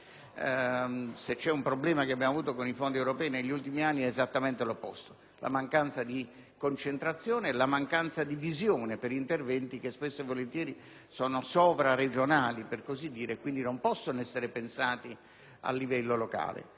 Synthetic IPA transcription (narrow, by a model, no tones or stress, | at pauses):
set͡ʃːɛumpɾoblɛːmakeabːjamavuːt̪okonifond̪iewɾopɛːineʎːult̪imianːiɛːzat̪ːament̪elopːɔst̪o̥ | lʔa̰maŋkant̪sad̪i | kont͡ʃent̪ɾat̪sːjoːneɛlamaŋkant̪sad̪ivizjoːnepeɾint̪ervɛnt̪ik̟espesːoevːolent̪jɛːɾi | sɔːnosɔːvɾared͡ʒonaːliperkozid̪ːiːɾekwind̪inompɔsːonoɛsːeɾepensaːt̪i | a̰lːivɛlːoloka̰ːlḛ